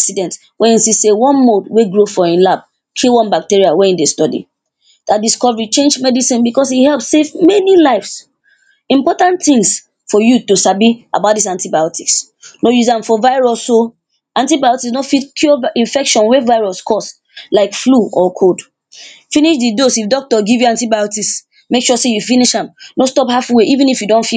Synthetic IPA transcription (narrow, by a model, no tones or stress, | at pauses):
ksidɛ̃nt | wɛ̃ĩnsisewɔ̃nmodweɡɹofɔĩnlab̚ | kʰilwɔ̃nbak̚tiɹiawɛĩndestɔdḭ | d̥adiskɔvəɹit͡ʃẽnd͡ʒmɛdisĩnbikɔsihɛlpsevmɛnilaɪfs | ĩmpɔtãntθĩŋs | fɔjutusabia̰bat̚dis̬ãntibajɔtʰiks | nojuzãmfɔvaɪɹɔsːo | ãntibajɔtiksnofitkʰjɔĩnfɛkʃɔ̃nwevaɪɹɔskʰɔs | laɪkfluɔkʰod | finiʃðidosifdɔk̚tɔɡivjuãntibajɔtis | mekʃuɔsejufiniʃãmnostɔphafweʔivĩnifjudõnfi